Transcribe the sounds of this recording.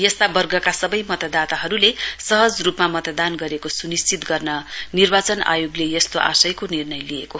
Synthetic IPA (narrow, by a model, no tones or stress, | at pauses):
jʌst̪abʌrɡʌkasʌbʌjmʌt̪ʌd̪at̪aɦʌɾulesʌɦʌd͡zrupmamʌt̪d̪anɡʌɾekosunist͡sit̪ɡʌrnʌnirbat͡sʌna̰joɡlejʌst̪oʔa̰sʌjkonirnʌjlieko